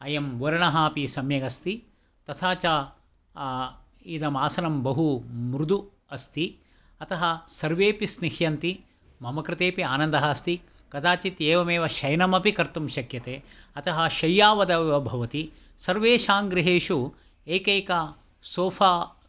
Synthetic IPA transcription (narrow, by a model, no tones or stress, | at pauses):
ɐjɐmʋɐɾɐɳɐɦaːpisɐmjɐɡɐst̪i | t̪ɐt̪ʰaːt͡ʃaː | iːd̪ɐmaːsɐnɐmbɐɦumɾud̪u | ɐst̪i | ɐt̪ɐɦɐsɐɾʋeːpisnihjɐnt̪i | mɐmɐkɾɪt̪eːpiaːnɐnd̪ɐɦɐst̪i | kɐt̪ʰaːt͡ʃit̪eːʋɐmeːʋɐʃɐjnɐmɐpikɐɾt̪umʃɐkjɐt̪eːɐt̪ɐɦɐʃɐjːaːʋɐd̪ɐʋʋɐbʱɐʋɐt̪i | sɐɾʋeːʃaːŋɡɾɪɦeːʃu | eːkeːkɐ | soːfaː